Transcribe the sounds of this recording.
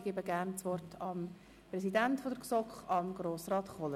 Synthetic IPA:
ɡ̥ebəɡæɾnt͡sʋɔrtʰɑm | prɛsidæntfodəɾksɔkχɑmɡɾoːsrɑːtχɔlə

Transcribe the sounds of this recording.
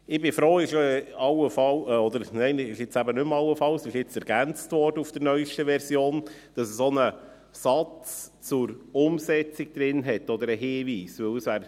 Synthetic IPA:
ɪbɪfɾoːɪʃɑwəfɑlɔd̪əɾnɛɪnɪʃɪt͡sæbənʏmɑləfɑlsɪʃɪt͡sɛɾɡ̥ænt͡stʋɔrdəufd̥əɾnœʏʃtəʋɛɾsjoːn | d̥ɑsəsɔnə | sɑt͡st͡sʊɾʊmsɛt͡siɡ̥̚d̥̪ɾɪnɦɛtːɔd̪əɾəɦeːviːsʋɵwsʋæːɾ

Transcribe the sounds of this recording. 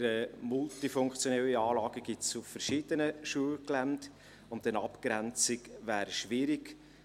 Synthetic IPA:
ɾəmʊltifʊŋkt͡sjonɛlːiɑːlɑːɡ̥əɡɪtsuffəɾʃɪd̥ənəʃuəlklæmt | ʊnt̚ɛnɑpkɾænt͡sɪkvæːɾʃʋɪɾɪk

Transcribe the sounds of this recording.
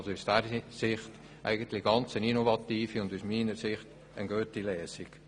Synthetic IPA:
lsousd̥æɾsɪχt | ʔæ̰ɪɡənt̪lɪɡ̥ɑnt͡səninovɑtiːfiʊndusmiːnəɾsɪχt | ənɡøːtilɛːsiɡ̥

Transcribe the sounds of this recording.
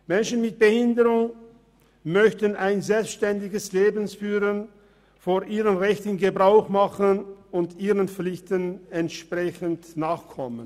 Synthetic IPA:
mɛnʃən̩mɪt̚b̥əhɪndəʁʊŋ | mœçtənʔaɪnzɛlpsʃtɛndɪɡəsleːbn̩sfyːʁən | foːɐʔiːʁənʁɛçtənɡəbʁaʊxmaχənʊntiːʁənp͡flɪçtənɛntʃpʁ̥ɛçəntnaːχkʰɔmən

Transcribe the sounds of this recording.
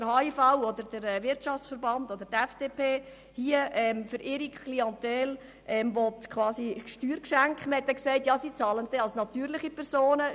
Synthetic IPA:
əɾhɑːifaʊɔdəɾd̥əɾɛʋɪɾtʃɑft͡sfəɾbɑndod̥əɾtɛfd̥eːpeː | hiəʔɛːmfʏɾʔɪɾikʰχliɑnt̪ɛl | ʔɛmʋɔtkχʋɑːsiʃtyːɾkʃæŋkχməhɛt̪ːɛksɛɪtjɑːsiːt͡sɑːlənt̪ɛɑlsnɑt̪yːɾlɪχipʰɛɾsoːnə

